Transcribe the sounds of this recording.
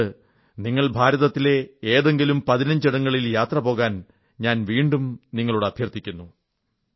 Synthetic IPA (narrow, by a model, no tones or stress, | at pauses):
ɨ | niŋːɐɭbʱaːɾɐðɐt̪ːile̞eːðe̞ŋɡilumpɐðinɐɲd͡ʑiɽɐŋːɐɭiljaːt̪rɐpo̞ːɣaːn | ɲaːnʋiːɳɖumniŋːɐɭuɽeɐb̪ʱjɐrt̪ʰːikʲːunːu